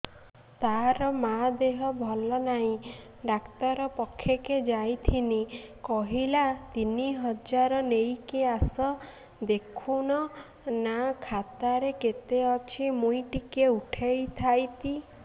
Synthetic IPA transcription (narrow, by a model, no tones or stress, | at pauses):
t̪aɾɔmad̪eɦɔbʱɔlɔnaɦĩ | ɖakt̪ɔɾɔpɔkʰːjɔked͡ʒajt̪ʰinikɔɦilat̪iniɦɔd͡ʒaɾɔnejkeasɔ | d̪ekʰuñɔ | nakʰat̪aɾeket̪eɔt͡ʃʰimũjʈikeuʈʰejt̪ʰajt̪i